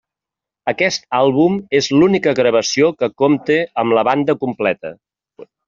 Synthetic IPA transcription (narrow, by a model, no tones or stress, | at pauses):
əkɛst̪̚alˠβumezlunikəɣɾəβ̞əsiokəkomt̪eəmləβand̪əkumplɛt̪ə̰